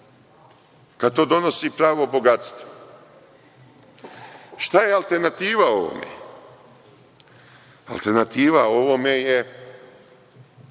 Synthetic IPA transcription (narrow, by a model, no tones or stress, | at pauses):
kad̪̚t̪o̞ːd̪o̞no̞sipɾaːʋo̞boɡat̪st̪o | ʃt̪ajealt̪e̞ɾnat̪iːʋao̞ʋo̰mḛ | a̰lˠt̪eɾnat̪iːʋao̞ʋomeje